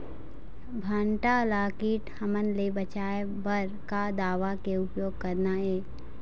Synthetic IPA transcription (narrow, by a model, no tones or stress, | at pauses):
bʱaːɳʈalaːkiːʈhəmənlebət͡ʃaːe | bəɾkad̪aːʋakeʊpjoːɡ̚kɐɾnaɛː